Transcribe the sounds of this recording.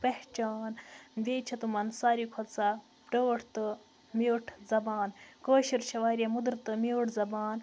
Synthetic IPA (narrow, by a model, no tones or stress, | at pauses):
pɐht͡ʃaːnʋʲeːt͡ʃʰɐt̪umɐnsaːɾikʰɐt̪sa | ɖoːʈʰt̪ɨ | miwʈʰzɐbaːnkoːʃiɾt͡ʃʰɐʋaːɾʲiɐmud̪ɾt̪ɨmiwʈʰzɐbaːn